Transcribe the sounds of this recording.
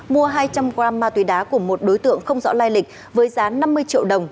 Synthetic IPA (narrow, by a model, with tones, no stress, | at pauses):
mu˧əɦaː˧jt͡ɕa˧mkwaː˧mːaː˧t̪wi˨˦ɗaː˨˦ku˧˩əmo˨˩t̚ɗo˨˦jt̪ɨ̰˧˨əŋxə˧wŋ͡mzɔ̰˧˥laː˧jlï˨˩k̟̚ | vəː˨˦jzaː˨˦na˧mːɨ˧əjt͡ɕḭ˧˨əwɗə˨˩wŋ͡m